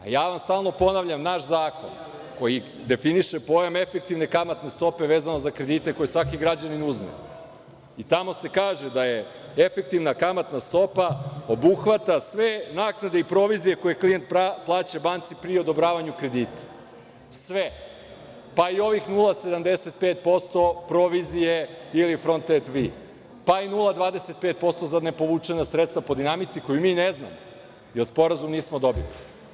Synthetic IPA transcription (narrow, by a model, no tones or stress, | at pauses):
a̰jaːʋamst̪aːlˠno̞po̞naʋʎamnaʃzaːko̞̰n | ko̞ji | d̪e̞finiʃepo̞jame̞fe̞k̚t̪iʋnekamat̪ne̞st̪o̞pe̞ʋeːzano̞zakɾe̞d̪it̪e̞ko̞jesʋakiɡɾad͡ʑaninuzmḛ | it̪amo̞se̞kaːʒed̪aje̞ | efe̞k̚t̪iʋnakamat̪nast̪o̞pao̞buxʋat̪asʋe̞naːknad̪eipɾo̞ʋizije̞ko̞jeklijent̪̚aplˠaːt͡ɕabant̪sipɾio̞d̪o̞bɾaːʋaɲukɾe̞d̪iːt̪ḁ | sʋe | paio̞ʋixnulˠase̞d̪amd̪eset̪̚peːt̪̚po̞st̪o̞pɾoʋizije̞ilifɾo̞nt̪et̪ʋi | painulˠad̪ʋaːd̪eset̪̚peːt̪̚po̞st̪ozad̪ne̞po̞ʋut͡ʂenasɾet̪st̪vapo̞d̪inamit̪siko̞jumiːnezna̰mo | jelspo̞ɾazumniːsmod̪o̞bḭli